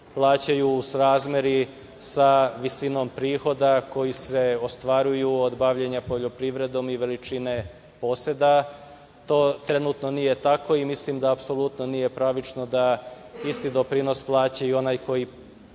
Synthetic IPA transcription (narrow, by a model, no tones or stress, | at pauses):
plˠaːt͡ɕajuːsɾaːzmʲje̞ɾi | saʋisino̞mpɾiːxo̞d̪ako̞jise̞ost̪ʋaɾujuod̪baʋʎeɲapo̞ʎo̞pɾiʋɾe̞d̪o̞miʋe̞lit͡ʃine̞ | po̞sed̪a | t̪o̞ːt̪ɾe̞nuːt̪no̞nije̞t̪ako̞imislimd̪aːpso̞lut̪nonije̞pɾaʋit͡ʃno̞d̪aist̪id̪o̞pɾino̞splˠaːt͡ɕaio̞naːjko̞ji